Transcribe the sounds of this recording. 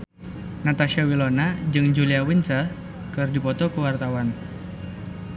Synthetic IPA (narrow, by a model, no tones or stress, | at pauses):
nat̪aʃawilonad͡ʒɨŋd͡ʒuliawint͡ʃa | kɨrdipɔt̪ɔkuwart̪awan